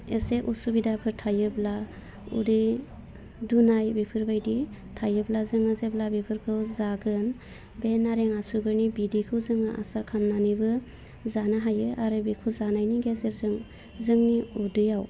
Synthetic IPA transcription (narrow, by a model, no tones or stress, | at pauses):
eseʔusubidapʰɯɾtʰajɯbla | ṵdi | dunajbipʰɯɾbajdi | tʰajɯblazɯŋazeblabipʰɯɾkʰɯwzaɡɯn | benaɾeŋasuɡɯɾnibidikʰɯwzɯŋaʔa̰sakʰamnanibɯ | zanaɦajɯʔaɾɯbikʰɯzanajniɡezeɾzɯŋ | zɯŋniudɯjaw